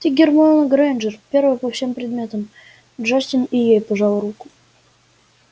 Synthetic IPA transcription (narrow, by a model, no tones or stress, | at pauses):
t̪ʲiɡʲɪrmonəɡɾajnd͡ʒərpʲe̞ɾvəjpəfsʲe̞mpɾʲɪd̪mʲe̞t̪əm | dʐasʲt̪ʲɪnijejpəʐɑlˠrukʊ̥